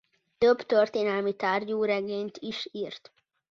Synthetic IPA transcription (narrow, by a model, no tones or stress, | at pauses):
t̪øbt̪ørt̪eːnɛlmit̪aːrɟoːɾɛɡeːɲt̪ʰiʃiːrt̪